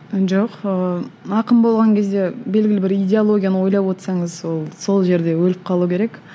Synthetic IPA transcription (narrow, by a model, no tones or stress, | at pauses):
ʒoqəɑqəmbo̞lˠʁɑŋkʲʰe̞zd̪e̞be̞lɡʲɪlɪbɪɾijdʲeolˠo̞ɡʲijanəwo̞jlˠɑpwo̞t̪sɑɴəzwo̞lˠso̞lˠʒe̞ɾd̪e̞wɵlɪp̚qʰɑlˠukʲʰe̞ɾe̞k